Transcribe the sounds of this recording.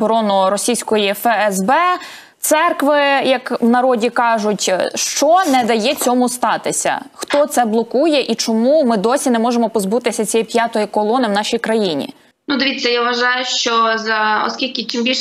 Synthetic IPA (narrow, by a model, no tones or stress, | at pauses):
bɔɾɔnʊɾɔsʲijsʲkɔjifɛɛzbɛ | t̪sɛrkʋɪjɐkwnɐɾɔdʲikɑʒʊtʲʃt͡ʃɔnɛd̪ɐjɛt͡sʲɔmʊst̪ɑt̪ɪsʲɐ̰xt̪ɔt̪sɛblˠɔkujɛʔit͡ʃɔmumɪd̪ɔsʲinɛmɔʒemɔpɔzbut̪ɪsʲɐt͡sʲɛjipʲjɑt̪ɔjikɔlˠɔnɪwnɑʃʲijkɾɐjinʲḭ | nud̪ɔʋʲit͡sʲːɐjaʋʋɐʒɑjʊʃt͡ʃɔzɐɔ̰skʲilʲkʲɪt͡ʃɪmbʲilʲ